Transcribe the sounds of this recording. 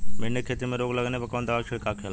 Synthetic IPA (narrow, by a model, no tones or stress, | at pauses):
mɪnːekʰeːt̪imẽɾoːɡlɐɡnepɐkɐʋənd̪əʋaːt͡ʃʰɪɽkakʰeːl